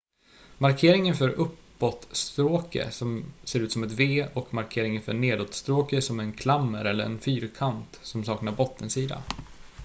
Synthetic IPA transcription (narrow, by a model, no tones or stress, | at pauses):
maɾkʰeːɾɪŋənfœɾʔɵpːɔt̪st̪ɾoːkə̰sɔmseːɾʉ̟ːt̪sɔmɛt̪veːɔkmaɾkʰeːɾɪŋənfœɳeːd̪ot̪st̪ɾoːkəsɔmɛnkʰlamːəɾɛlːə̰ɾɛ̰nfyːɾkʰant̪sɔmsɑːknaɾbɔt̪ʰːənsiːd̪a̰